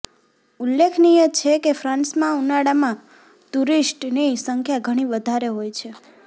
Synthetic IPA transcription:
ulːekʰnijət͡ʃʰekefɾãnsmãunaɽamã | t̪uɾisʈnisəŋkʰjaɡʱəɽ̃iʋəd̪ʱaɾeɦojt͡ʃʰe

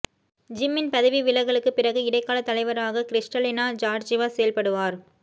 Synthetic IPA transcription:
d͡ʒɪmːɪnpɐðɐʋiʋɪlɐɪɣɐɭɯkːɯpɪrɐɣɯɪɽɐɪkːaːlɐt̪ːɐlɐɪʋɐɾaːɣɐkɪɾɪʂʈɐlɪnaːd͡ʒaːɾd͡ʒɪʋaːsɛjɐlpɐɽɯʋaːɾ

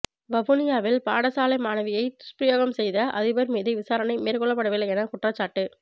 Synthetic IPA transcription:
ʋɐʋʊnɪjaːʋɪlpaːɽɐsaːlɐɪmaːnɐʋɪjɐɪt̪ʊ̥spɾɪjoːɣɐmsɛjðɐʔɐ̰ðɪʋɐɾmiːðɐɪʋɪsaːɾɐnɐɪmeːɾkɔɭɐpːɐɽɐʋɪlɐɛnɐkʊʈrɐt͡ʃːaːʈːɯ

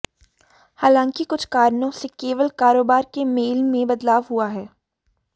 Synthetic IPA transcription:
haːlãːŋkikʊt͡ʃʰkaːɾnõsekeːʋəlkaːɾoːbaːɾkemeːlmẽbɐd̪laːʋɦuaɦɛː

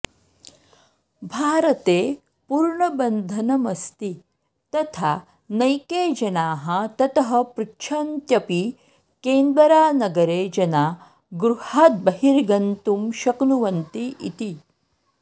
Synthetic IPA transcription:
bʱaːɾɐt̪eː | puɾɳɐbɐnd̪ʱɐnɐmɐst̪i | t̪ɐt̪ʰaː | nɐjkeːd͡ʒɐnaːɦɐt̪ɐt̪ɐɦɐ̆pɾukʃʰɐnt̪jɐpi | keːnd̪ɐɾaːnɐɡɐɾeːd͡ʒɐnaː | ɡɾuhaːt̪̚bɐɦiɾɡɐnt̪umʃɐknuʋɐnt̪iʔḭt̪i

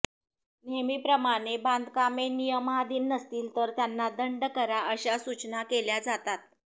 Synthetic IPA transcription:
nemiːpɾəmaɽ̃eband̪kamenijəmɦad̪iːnːəst̪iːlt̪əɾt̪janːad̪əɳɖkəɾaəɕasut͡ɕnakeljad͡zat̪at̪̚

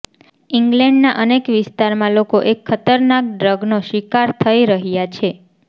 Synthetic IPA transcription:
iŋɡlɛɳɖnaʔənekʋɪst̪aɾmãlokoʔekʰːət̪əɾnak̚ɖɾəɡnoʃikaɾt̪ʰəiɾəɦjat͡ʃʰe

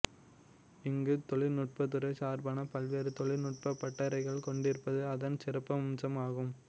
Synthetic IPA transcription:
ɪŋɡɯt̪ɔɭɪnʊʈ̚pɐt̪ːɯɾɐɪsaːɾbaːnɐpɐlʋeːɾɯt̪ɔɭɪnʊʈ̚pɐpːɐʈːɐɾɐɪɣɐɭkɔɳɖɪɾɯpːɐðɯɐðɐnsɪrɐpːɐmmsɐmaːɣɯm

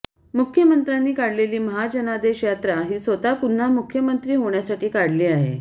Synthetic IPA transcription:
mukʰjəmənt̪ɾanːiːkaɽleliːməɦad͡ʑənad̪eɕjat̪ɾaɦiːsʋət̪apun̤amukʰjəmənt̪ɾiːɦoɳjasaʈiːkaɽ̤liːaɦḛ

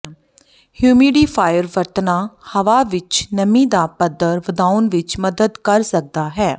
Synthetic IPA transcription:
hjuːmiːɖiːpʰaːjəɾʋəɾt̪naːhəʋaːʋɪt͡ʃnəmĩːd̪aːpəd̪əɾʋəd̪aːʊnʋɪt͡ʃməd̪əd̪kəɾsək̚d̪aːɦɛː

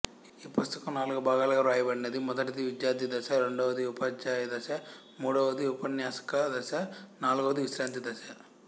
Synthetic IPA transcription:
iːpust̪ɐkɐmnaːlukɐbaːɡaːlɐɡɐɾuaːjibɐɽinɐd̪imɔd̪ɐʈɐd̪iʋid̪jaːɾd̪id̪ɐsɐɾeɳɖɐʋɐd̪iupɐd͡ʒaːjɐd̪ɐsɐ | muːɽɐʋɐd̪iupɐnjaːsɐ̥kɐd̪ɐsɐnaːluɡɐʋɐd̪iʋisɾaːnt̪id̪ɐsɐ

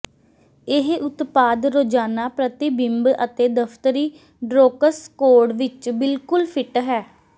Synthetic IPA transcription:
ɪɦʊt̪paːd̪ɾoːd͡ʒaːnaːpɾət̪ibɪmbət̪eːd̪əfʰt̪əɾiː | ɖɾoːkəskoːɖʋɪt͡ʃbɪlkʊlpʰɪʈɦɛː

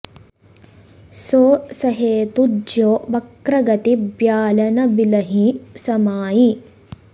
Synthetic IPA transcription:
soːsɐɦeːt̪udjoːbɐkɾɐɡɐt̪ibjaːlɐnɐbilɐɦisɐmaːji

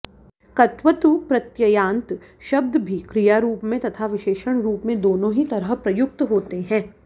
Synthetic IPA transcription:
kɐt̪ʋət̪upɾɐt̪jɐjãːnt̪ʃɐb̚d̪bʱikɾijaɾuːpmẽt̪ɐt̪ʰaʋɪʃeːʃəɽ̃ɾuːpmẽd̪oːnõɦit̪ɐɾəɦpɾɐjʊk̚t̪ɦoːt̪eɦɛ̃ː

